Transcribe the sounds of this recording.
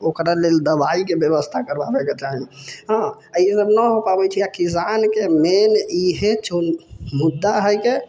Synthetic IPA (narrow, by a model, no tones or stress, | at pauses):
okɾaleld̪əbaikebjəβəst̪ʰakəɾbabeket͡ʃaɦiɦã | əsəbnəɦopabɛt͡ʃʰiakis̬ankemeniɦet͡ʃʰonmud̪ːaɦəjke